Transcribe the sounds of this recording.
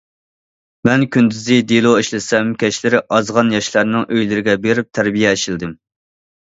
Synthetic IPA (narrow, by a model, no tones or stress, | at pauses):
mɛnkʲynd̪yzɪd̪elˠoiʃlɪsɛmkʲɛʃlɪɾɪʔɑzʁɑnjɑʃlˠɑɾnɪŋʔøjlɪɾɪɡʲɛbeɾɪp̚t̪ʰæɾbijɛʃild̪ɪm